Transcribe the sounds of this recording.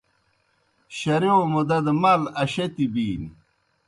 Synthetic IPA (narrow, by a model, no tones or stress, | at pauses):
ɕɐɾomod̪ɐd̪mɐlɐɕɐt̪ibiːn